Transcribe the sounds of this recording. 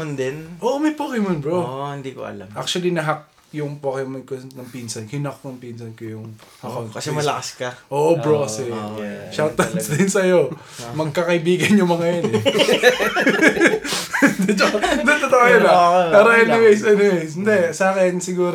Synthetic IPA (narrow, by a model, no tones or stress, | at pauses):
ond̪ɛnʔoːʔomɐjpoːkɪmonbɹoɪnd̪iko̰ʔɐ̰la̰mʔak̚t͡ʃʊɐlinɐɦɐk̚ | jʊŋpokɪmɐkonɐŋpiːnsɐnkɪnɐkːɐŋpiːnsɐnkɐjʊŋhɐkonkɐsɛmɐlɐkɐskɐʔoːʔobɹoɐsɛʃawt̪ɐd̪sd̪ɪnsɐjo | mɐɡ̚kɐkɐʔɪbiːɡɐnjʊŋmɐŋɐjonɛ | d̪ɛt͡ʃokɐd̪ɛt̪ɐt̪okajɐnɐpaːɾɐʔɛnɪwejsɛnɪwejsɪnd̪ɛsʔaːkɛnsɪɡuːɾ